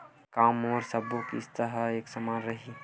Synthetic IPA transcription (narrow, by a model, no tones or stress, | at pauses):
kaːmɔːɾsəbukḭst̪əɦəeːksəmanɾəɦi